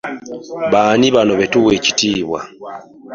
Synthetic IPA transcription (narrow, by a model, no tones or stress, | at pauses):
βaːniβano̞βe̞tuwe̞ci̥tiːβwa̰